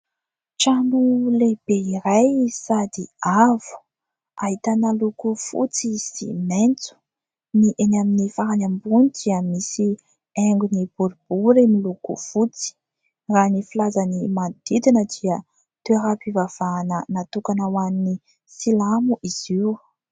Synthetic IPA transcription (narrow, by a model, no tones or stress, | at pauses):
ʈ͡ʂanuleb̥eiɾajsad̪iavu̥ | aɦit̪anəlukufṵt͡siz̥ḭment͡su̥ | niʔenaminifaɦanambunid̪̥iəmisi | eŋɡunib̥uɾib̥uɾimilukṵfut͡si̥ | ranifilazanimand̪̥id̪inəd̪iə | t̪eɦapivav̥aːnənat̪ukanawanni | silamuʔiz̥iw